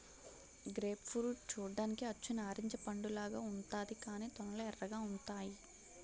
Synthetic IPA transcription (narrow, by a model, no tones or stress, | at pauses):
ɡɾeːpfɾuːʈ̚t͡ʃuːɖaːnikiɐt͡ʃːunaːɾiɲt͡ʃɐpɐɳɖulaːɡaːuɳt̪aːd̪ikaːniːt̪ɔnɐlɐɛrːɐɡaːuɳtaːji